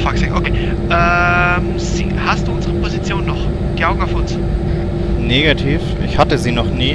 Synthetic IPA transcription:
faksɪŋʔokʰeː | ʔɛm | ziːhastd̥uːʔʊnzəʁəpʰozit͡sjoːnːɔχ | ɡ̥əaʊɡŋ̩aʊfʊns | neːɡatʰiːfɪ̰çhatəziːnɔχniː

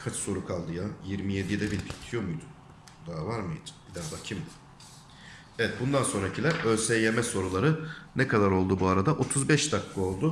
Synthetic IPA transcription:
kʰat͡ʃʰso̞ɾukʰalˠd̪ɯjajiɾmije̞d̪ijd̪ɛbilpʰi̥t̪ʰijo̞mujd̪u | d̪aːvaɾmɯjd̪ɯ̥bid̪æɾbacʰim | evɛt̪̚bund̪anso̞nɾacʰilʲæɾø̞lʲsɛje̞mɛso̞ɾulˠaɾɯnɛkʰad̪aɾo̞lˠd̪ubuaɾad̪aʔo̞t̪ʰuzbɛʃt̪ʰakʰːɯo̞lˠd̪ʊ

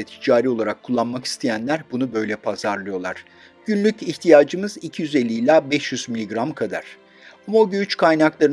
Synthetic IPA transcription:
ɛt̪ʰi̥d͡ʒaːɾiːo̞lˠaɾakʰːulˠːanmaki̥st̪ʰejænlʲæɾbunubø̞jlʲɛpʰazaɾlˠɯjo̞lˠaɾ̥ | ɟ̥ynlʲyciçt̪ʰijaːd͡ʒɯmɯzicʰijyze̞lʲːiːlʲaːbɛʃjyzmilʲiɡɾamkʰad̪a̰ɾ̥ | amaoɟyyt͡ʃkʰajnaklˠaɾɯ

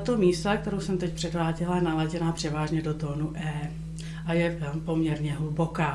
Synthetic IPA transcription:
t̪omiːst̪ak̚t̪ɛɾowsɛmt̪ɛc̚pr̥ɛdvaːɟɛlajɛnalaɟɛnapr̝̥ɛvaːʒɲɛdot̪oːnuʔɛː | ʔajɛpo̞mɲɛɾɲɛɦlubokaː

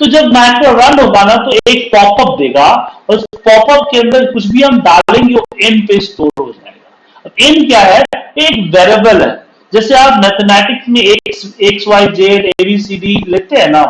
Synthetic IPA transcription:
t̪od͡ʒɐbmɛːʈɾoɾɐnɦoːɡanat̪oeːk̚pɔːpəp̚d̪eːɡaɔːʊspɔːpəp̚keɐ̃nd̪əɾkʊt͡ʃʰbʱiɦɐmd̪aːllẽːŋɡeoɪnpesʈoːlɦo̰d͡ʒa̰ːḛːɡa | ɪnkjaːɾɦɛɛoeːkʋɛːɾebəlɦɛ̰ː | d͡ʒɛːseaːpmɛːt̪ʰmɛːʈɪksmẽeːkseːksʋaːid͡ʒeːɾeːbisiːɖileːt̪eɦɛ̃na

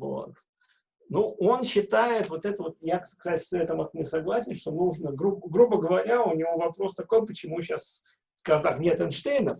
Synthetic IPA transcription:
vo̰t̪ | nuʔo̞nɕːɪt̪ajɪt̪vo̞t̪ɛt̪əvo̞t̪jaksksatʲɪ̥sɛt̪əmɐt̪nʲɪsɐɡlˠasʲɪnʂt̪o̞nuʐnəɡɾubɡɾubəɡəvɐɾʲaʊnʲɪvo̞vɐpɾo̞st̪ɐko̞jpət͡ɕɪmuɕːas | vɡɐrd̪axnʲe̞t̪ɛnʂt̪ejnə

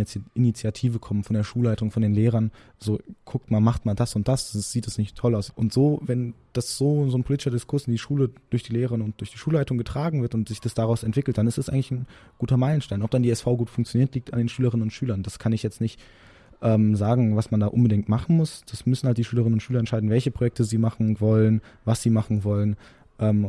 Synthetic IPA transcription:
ʔɪnit͡sjatʰiːvəkʰɔmənfɔndeːɐʃuːlaɪtʊŋfɔndeːnleːʁɐn | z̥oːkʰʊk̚tmaːlmaχtmaːldasʊnt̚d̥asz̥iːtd̥asnɪçtʰːɔlaʊsʔʊntz̥oːvɛnd̥asz̥oːzoːnpʰoliːtɪʃɐdɪskʰʊɐsɪndiːʃuːləd̥ʊɐçd̥iːleːʁəənʊntd̥ʊɐçd̥iːʃuːlaɪtʊŋɡətʁ̥aːɡŋ̩vɪɐtʊntz̥ɪçd̥asd̥aʁaʊsɛntv̥ɪkl̩t̚d̥anɪsd̥asʔaɪɡŋlɪçn̩ | ɡ̥uːtɐmaɪlənʃtaɪnɔp̚d̥andiːɛsfaʊɡuːtfʊŋkt͡sjoniːɐtliːk̚ta̰ndeːnʃyːləʁɪnənʊntʃyːlɐndaskʰanɪçjɛt͡stnɪçt | ʔɛːmzaːɡŋ̩vasmandaːʔʊnbədɪŋ̚tmaχn̩mʊsd̥asmʏsn̩halt̚d̥iːʃyːləʁ̞ɪnənʊntʃyːlɐɛntʃaɪdn̩vɛlçəpʁ̥ojɛk̚tʰəziːmaχn̩vɔlənvasz̥iːmaχn̩vɔlən | ʔɛːm

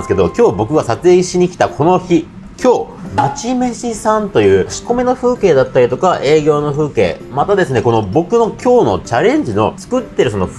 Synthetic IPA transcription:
sɨ̥ke̞d̪o̞kʲo̞ːbo̞kɯ̟ɡasat͡sɨeiɕiɲ̟ikʲi̥t̪akʰo̞no̞çi | kʲʰo̞ː | at͡ɕime̞ɕisãnt̪o̞jɯ̟ːɕi̥ko̞meno̞ɸɯ̟ːke̞ːd̪at̪ːaɾʲit̪o̞kaʔe̞ːɡʲo̞ːno̞ɸɯ̟ːke̞̰ː | mat̪ad̪e̞sɨne̞ko̞no̞bo̞kɯ̟no̞kʲʰo̞ːno̞t͡ɕaɾẽ̞ɲ̟d͡ʑino̞̰t͡sɨ̥kɯ̟t̪ːe̞ɾɯ̟so̞no̞

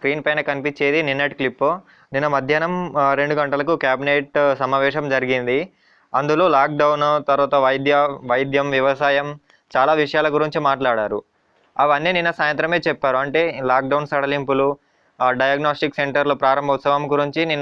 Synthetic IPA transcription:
skɾiːnpɐjnɐkɐnipit͡ʃːeːd̪ininːɐʈklipː | ninːɐmɐd̪ʱjaːnɐmɾe̞ɳɖuɡɐɳʈɐlɐkukjaːbineːʈsɐmaːʋɛːʂɐmd͡ʒɐɾiɡind̪i | ɐnd̪ulo̞ːlaːk̚ɖɐwnt̪ɐɾʋaːt̪ɐʋɐjd̪jɐʋɐjd̪jɐmʋjɐʋɐsaːjɐm | t͡ʃaːlaːʋiʂɐjaːlɐɡuɾiɲt͡ʃimaːʈlaːɽaːɾṵ | ɐʋɐnːiːninːɐsaːjɐnt̪ɾɐme̞ːt͡ʃɛpːaːɾuɐɳʈe̞ːlaːk̚ɖɐwnsɐɽɐlimpulu | ɖɐjaːɡnoːsʈikseɳʈɐɾlupɾaːɾɐmbʱɐut̪sɐʋɐmɡuɾiɲt͡ʃininː

